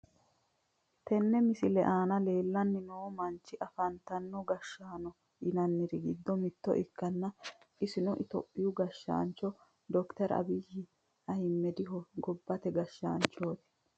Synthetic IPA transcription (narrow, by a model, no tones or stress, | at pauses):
t̪ɛnːɛmɪsɪlɛʔaːnɐle̞ːlːɐnːɪnoːmɐnt͡ʃːɪʔɐfɐnt̪ɐnːɔɡɐʃːaːnɔ | ʔɪnɐnːɪɾɪɡɪd̪ːɔmɪd̪ːɔ̰ʔɪkːɐnːɐ | ʔɪsɪnɔʔɪt̪ɔpʼːɪjʊɡɐʃːa̰ːnt͡ʃːɔ | d̪ɔkt̪ɐɾɐ̰bɪjɪ | ɐjɪmːɛd̪ɪɦɔɡɔbːɐt̪ɛɡɐʃːa̰ːnt͡ʃːoːt̪ɪ̥